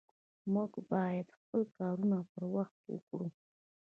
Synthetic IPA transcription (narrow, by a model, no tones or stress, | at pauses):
muɡbɑjad̪xpəlkɑɾunapəɾwaxt̪̚kḛwə̰kɽu